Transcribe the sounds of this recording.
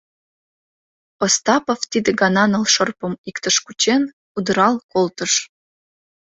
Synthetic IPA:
post̪ɑpoft̪id̪əɡɑnɑnɤ̆lʃɤrpə̆mikt̪əʃkut͡ɕen | ud̪ə̆ɾɑlkolt̪ə̆ʃ

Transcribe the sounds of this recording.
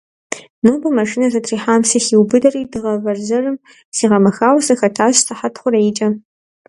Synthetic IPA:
noːbɐmɐʂɨnɐzɐtʰriːħaːmsɨxiwbɨdɐriːdɨʁɐvɐrzɐrɨm | siːʁɐmɐxaːwsɐxɐtʰaːɕtʰaħatʰχʷʊɾejt͡ʃʼɐ

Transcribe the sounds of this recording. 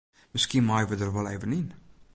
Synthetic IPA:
məskinmɑjʋədərvɛlˠeːvənin

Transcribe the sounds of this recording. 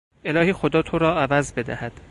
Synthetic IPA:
e̞lɒːhiːxo̞d̪ɒːt̪ʰoɾɒːævæzbe̞d̪æ̰hæd̪̥

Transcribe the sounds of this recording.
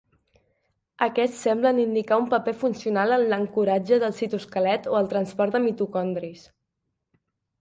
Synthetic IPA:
əkɛssɛmblənind̪ikaumpəpɛfunsiunalənləŋkuɾad͡ʒəðəlˠsit̪uskəlɛt̪oəlˠt̪ɾənspɔɾd̪əmit̪ukɔnd̪ɾis

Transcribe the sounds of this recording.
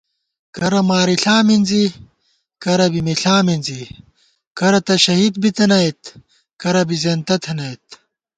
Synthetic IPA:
kɐɾɐmaːɾiɬaːminzi | kɐɾɐbimiɬaːminzi | kɐɾɐt̪ɐɕɐɦiːd̪̚bit̪ɐnɐjt̪ | kɐɾɐbizent̪ɐt̪ʰɐnɐjt̪

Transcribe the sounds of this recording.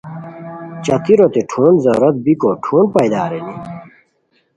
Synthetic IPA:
t͡ɕɐt̪iɾot̪eʈʰuːnzɐɾɐt̪̚bikoːʈʰuːnpɐjd̪aːɾeni

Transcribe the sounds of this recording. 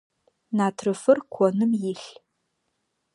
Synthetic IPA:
naːtʰrɨfɨrkʷʰɔnɨmjɪɬ

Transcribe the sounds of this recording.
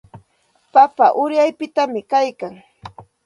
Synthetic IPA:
papaʔʊɾjajpɪt̪amɪkajkaŋ

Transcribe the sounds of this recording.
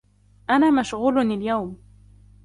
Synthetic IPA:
ʔanaːmaʃɣuːlnaljawm

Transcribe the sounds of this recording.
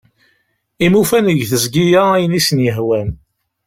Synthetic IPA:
imufænəʝθəzɡijææjənisənjəɦwæn

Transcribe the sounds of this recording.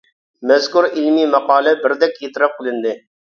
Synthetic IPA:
mɛzkuɾilmimɑqɑːlˠɛbɪɾd̪ɛkʲjet̪ɪɾɑp̚qʰɨlˠɪnd̪ɪ

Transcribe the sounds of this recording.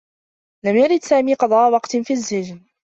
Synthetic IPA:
lamjaɾɪd̪saːmiːqɑd̪ˤɑːʔwɑqt̪nfiːazːɪd͡ʒn

